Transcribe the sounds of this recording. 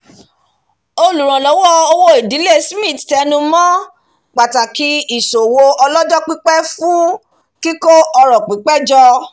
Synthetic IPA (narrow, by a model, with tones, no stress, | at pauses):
o˧lu˨ɾ̃ã˨lɔ˨˦wɔ˦o˧wo˦i˨di˨˦le˦˨smĩ˦˨tɛ˧nũ˧mɔ̃˦ | k͡pa˨ta˨ki˨˦i˦˨so˨wo˧ɔ˧lɔ˦d͡ʒɔ˦k͡pi˦k͡pɛ˦fũ˦ | ki˦ko˦ɔ˧ɾɔ˨k͡pi˨˦k͡pɛ˦d͡ʒɔ˧